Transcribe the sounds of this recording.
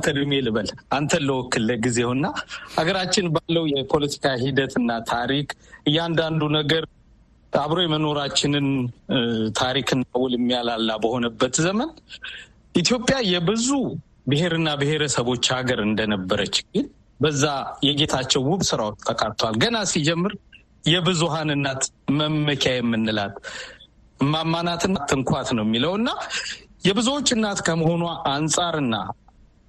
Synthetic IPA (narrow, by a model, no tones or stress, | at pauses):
t̪ʰəlmelɨβəlʔant̪ʰənləwɔkːɨlːəɡizewɨnːahaɡəɾat͡ʃːɪnbalːəwjɛpʰo̞lət̪ʰi̥kʰaɦid̪ət̪ʰɨnːat̪ʰaɾikɨjːand̪and̪unəɡəɾʼ | aβɾo̞jɛməno̞ɾat͡ʃːɪnɨn | t̪ʰaɾikʰɨnːawʊlɪmːijalalːabəho̞nəbːət̪zəmən | ʔit̪jo̞pʼːjajɛbɨzu | bɨhe̞ɾɨnːabɨhe̞ɾəsəβo̞t͡ʃːhaɡəɾɨnd̪ənəbːəɾət͡ʃːɡɨn | bəzːajɛɡe̞t̪ʰat͡ʃːɛwwʊβsɨɾawot͡ʃːt̪ʰːəkʼat̪ʰːwalɡənasid͡ʒɛmːɨɾ | jɛbɨzuɦanɨnːat̪ | məmːəkʰajɛmːɨnːɨlat̪ | mamːanat̪ɨnːat̪ʰːɨŋkʰʷat̪nəwɛmːiləwɨnːajɛbɨzuwo̞t͡ʃːɨnːat̪kʰəməho̞nwaʔansʼaɾɨnːa̰